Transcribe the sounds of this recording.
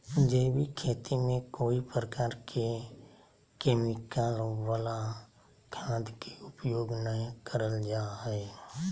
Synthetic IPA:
d͡ʒebikʰeːt̪imẽkoːipɾəkaːɾkʰe | keːmɪkalʋəla | kʰãːd̪kiʊpjoːɡnəɦĩkəɾəld͡ʒaːɦɛeː

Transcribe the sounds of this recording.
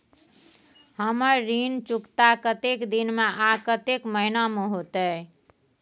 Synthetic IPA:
həməɾːint͡ʃukt̪akət̪ekd̪inmeʔakət̪ekməɦinameɦot̪ə

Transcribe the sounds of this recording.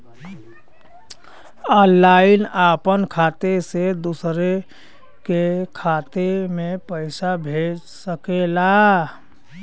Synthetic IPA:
ənlːaːɪnaːpənkʰaːt̪esed̪usɾe | kekʰaːt̪emẽpəɪsabʱeːd͡ʒ | səkela

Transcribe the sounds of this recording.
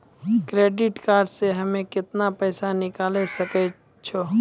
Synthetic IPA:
kɾeːɖɪʈkaːɾɖseɦəmẽkɪt̪napɛːsanɪkaːlesəkɛ | t͡ʃʰo

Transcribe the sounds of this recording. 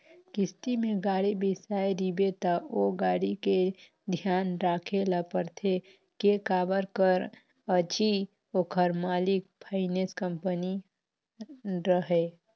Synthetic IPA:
kɪst̪imẽɡaːɽibisaeɾibet̪əoɡaːɽike | d̪ʱjaːnɾaːkʰelapəɾt̪ʰe | kekaːbəɾkəɾ | ət͡ʃi | okʰəɾmaːlik̚pʰaɪneskəmpəni | ɾəɦe

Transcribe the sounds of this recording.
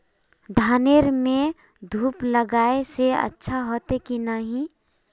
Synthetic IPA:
d̪ʱaːneɾmẽ | d̪ʱuːpləɡaːeseə̰tːʃʰaɦoːt̪ekinaɦĩ

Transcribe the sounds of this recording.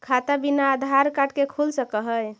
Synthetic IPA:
kʰat̪abinaːd̪ʱaɾkaʈkekʰulsəkəɦəj

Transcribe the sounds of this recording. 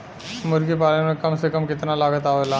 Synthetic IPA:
mʊɾɡipaːlemẽkɐmsekəmkɪt̪nalaːɡət̪aɦelaː

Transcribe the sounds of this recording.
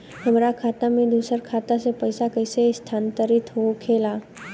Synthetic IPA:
ɦəmɾakʰat̪amẽd̪usəɾkʰat̪asepəjsakəjsest̪ʰant̪əɾit̪ɦookʰela

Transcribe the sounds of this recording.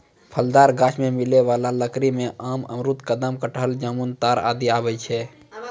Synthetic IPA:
pʰəld̪aːɾɡaːt͡ʃʰmẽmileʋaːlaləkɾimẽʔaːmə̰mɾut̪kəd̪əmkəʈɦəld͡ʒəmunt̪aːɾa̰ːd̪iaːbɛjt͡ʃʰɛ

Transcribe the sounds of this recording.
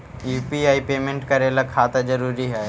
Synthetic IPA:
juːpiaːipeːmẽɳʈkɐɾeːlakʰaːt̪ad͡ʒɐɾuːɾiɦɛː

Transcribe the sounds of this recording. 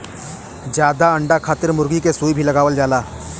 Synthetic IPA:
d͡ʒjaːd̪aɐ̃ɳɖakʰaːt̪ɪɾmʊɾɡikesuːibʱilɐɡaːʋəld͡ʒaːlaː

